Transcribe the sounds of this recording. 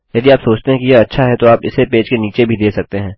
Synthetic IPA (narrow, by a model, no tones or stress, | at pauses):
jɐd̪iaːpsoːt͡ʃt̪eɦɛ̃kijeɐtːʃʰaɦɛt̪oaːpɪ̰sepeːd͡ʒkeniːt͡ʃebʱid̪eːsɐk̚t̪eɦɛ̃ː